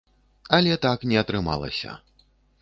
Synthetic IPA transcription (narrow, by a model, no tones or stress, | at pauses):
ɐlʲɛt̪aknʲɛɐt̪ɾɨma̰lˠɐ̰sʲɐ̰